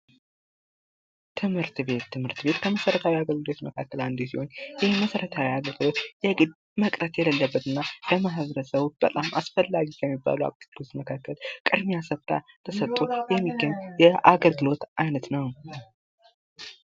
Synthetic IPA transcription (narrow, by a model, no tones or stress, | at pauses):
t̪ʰɨmhɨɾt̪be̞t̪ːɨmhɨɾt̪be̞t̪kʰəməsəɾət̪ʰawiaɡəlɡɨlo̞t̪məkʰakːəland̪esiho̞njɪhməsəɾət̪ʰawiaɡəlɡɨlo̞t̪jɛɡɨd̪ | məkʼɾət̪jɛləlːəbːət̪ɨnːabəmaɦβəɾəsəβb̥ət̪ʼamʔa̰sfəlːaɡikʰɛmːibːa̰lwa̰k̪ɨɡlot̪məkʰakːəlkʼɨd̪miasəft̪ʼa̰ | t̪ʰəsət̪ʼːujɛmːiɡːəɲjɛʔaɡəlɡɨlo̞t̪ʔajnət̪nəw